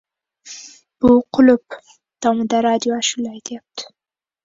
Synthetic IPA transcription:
b̥uqʰʊlʊp̚ | t̪ɑməd̪aɾad̪joaʃʊlajt̪ʰjap̚t̪ɪ̥

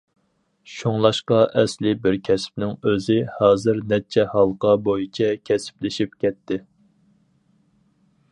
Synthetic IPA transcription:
ʃoŋlˠɑʃqɑʔɛslɪbɪɾkʲʰɛsɪ̥p̚nɪŋøzɪhɑːzɪɾnɛt͡ʃʰːɛhɑlˠqɑbojit͡ʃʰɛkʲʰɛsɪ̥plɪʃipkʲʰɛt̪ʰːɪ

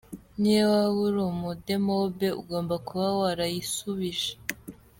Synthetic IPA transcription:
niwawuɾomudemobe̞ṵɡo̞ːmbakuβawaɾajisuβiʒe̥

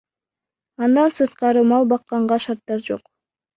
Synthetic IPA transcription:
ɑnd̪ɑnsɯɾt̪̚qɑɾɯmɑlˠbɑqːɑɴʁɑʃɑɾt̪ːɑɾd͡ʒo̞̰q

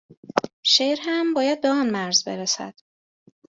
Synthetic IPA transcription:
ʃeɾɦæmbɒːjæd̪̚beɒːnmæɾzbe̞ɾesæ̰d̪̥

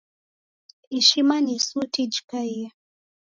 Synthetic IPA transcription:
iʃimanisutid͡ʒikaija

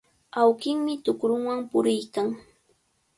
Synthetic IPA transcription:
awkɪŋmɪt̪ʊkɾʊŋwampʊɾɪjkaŋ

